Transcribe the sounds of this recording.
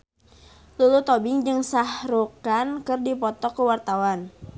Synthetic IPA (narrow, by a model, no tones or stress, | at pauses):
lulut̪ɔbɪŋd͡ʒɨŋsahɾukankɨrdipɔt̪ɔkəwart̪awan